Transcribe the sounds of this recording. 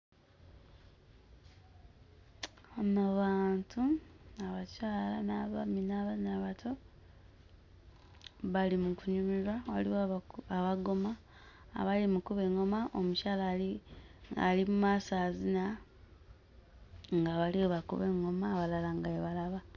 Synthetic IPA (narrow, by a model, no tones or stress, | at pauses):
anaβaːntʰuaβacaːlanaβaminaβanaβatʰo̞ | βalimukuɲumiɾwawaliwoaβaɡo̞ma̰ː | βalimukuβe̞ŋo̞maʔomuʃalai | a̰limumaːsaːzina | ŋɡaβalioβakṵβeŋːo̞maːβalalaŋɡajeβalaβa